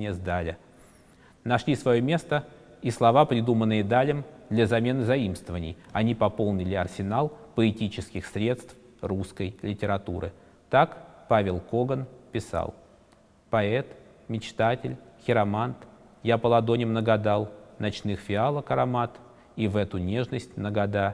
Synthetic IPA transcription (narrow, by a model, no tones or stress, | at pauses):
nʲɪjəzd̪alʲɪ | nɐʂlʲisvɐjomʲe̞st̪ə | islˠɐvapɾʲɪd̪umənːɨjəd̪alʲɪmd̪lʲəzɐmʲe̞nɨzɐimst̪vəvənʲɪ̰jɐnʲipɐpo̞lˠnʲɪlʲɪɐrsʲɪnalˠpəɪtʲit͡ɕɪskʲɪxsɾʲe̞t̪st̪f | ruskəjlʲɪtʲɪɾɐt̪ṵɾɨ̰ | t̪akpavʲɪlˠko̞ɡənpʲɪsa̰lˠ | pɐɛt̪ | mʲɪt͡ɕt̪atʲɪ̰lʲxʲɪɾɐmant̪ | japəlˠɐd̪o̞nʲɪmnəɡɐd̪alˠnɐt͡ɕnɨxfʲɪalˠəkəɾɐmat̪ | ivɛt̪ʊnʲe̞ʐnəsʲtʲnəɡɐd̪a